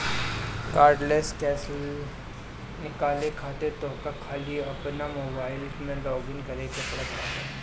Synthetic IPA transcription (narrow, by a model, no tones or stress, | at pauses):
kaːɾɖleːskɛːsəl | nɪkaːlekʰaːt̪et̪oːkakʰaːliɐpnamoːbaːɪl | mẽlɔːɡɪŋkɐɾekepɐɽət̪aːɦe